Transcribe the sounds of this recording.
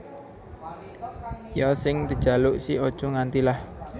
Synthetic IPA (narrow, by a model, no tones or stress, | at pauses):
jɔsɪŋt̪ə̥ʒ̥a̤lʊʔsiɔd̥ʒ̥ɔ̤ŋant̪ilah